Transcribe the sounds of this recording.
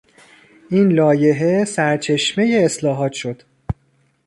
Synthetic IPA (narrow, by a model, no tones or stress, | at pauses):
ʔinlɒːje̞ɦe̞sæɾt͡ʃʰe̞ʃmejeːslɒːɦɒːt̪ʃo̞d̪̥